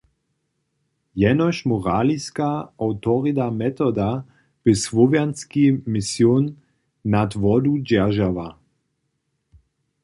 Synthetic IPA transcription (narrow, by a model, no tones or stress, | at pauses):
jɛnɔʃmɔʁaːliskaawt̪ɔʁid̪amɛt̪ɔd̪a | b̥ɪsvɔvjanskimɪsjoːnː | at̪vɔd̪ud͡ʑɛʁʒava